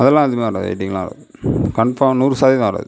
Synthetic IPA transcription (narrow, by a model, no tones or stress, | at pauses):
ɐðɛlːãːɐðɯmẽːɾaːðɯɐ̰ɪʈːɪ̃ŋɡɐlãːɾa̰ðɯkɐɳpãnuːɾsaːðimaːɾa̰ːðɯ